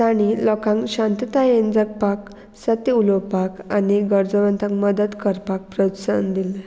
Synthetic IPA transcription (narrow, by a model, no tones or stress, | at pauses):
t̪aɽ̃ilɔkãŋkɕãnt̪ət̪ajend͡zək̚pak | sət̪iuləwpakaniɡəɾd͡zəʋə̃nt̪ãŋkməd̪ət̪kəɾpak̚pɾət̪sa̰nd̪ilɛ̃